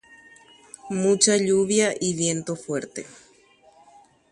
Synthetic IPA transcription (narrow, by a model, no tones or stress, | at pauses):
mũt͡ʃaʎuβjaʔiβje̞nt̪ofweɾt̪ḛ